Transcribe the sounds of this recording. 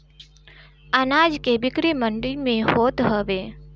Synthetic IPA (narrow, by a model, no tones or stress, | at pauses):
ənad͡ʒkebɪkɾiməɳɖimẽhot̪ɦəʋe